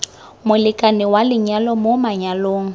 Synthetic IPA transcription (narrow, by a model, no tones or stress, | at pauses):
mʊlɪkʼanɪwalɪɲalɔmomaɲaloːŋ̩